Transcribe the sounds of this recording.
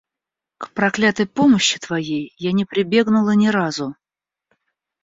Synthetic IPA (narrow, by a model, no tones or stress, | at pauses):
kpɾɐklʲat̪əjpo̞məɕːɪ̥t̪vɐjejːanʲɪpɾʲɪbʲe̞ɡnʊlˠənʲɪɾazʊ